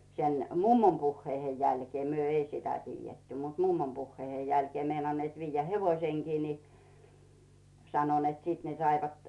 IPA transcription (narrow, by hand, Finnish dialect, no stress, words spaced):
sen mumːom puhːeihej jælkĭeˑ myø ei sitæ tiːjːetːy mut mumːom puhːeihej jælkĭeˑ meinɑnːeːt ʋiːjːæ heʋoĭseŋkiː ni sɑno net sit ne sɑiʋɑt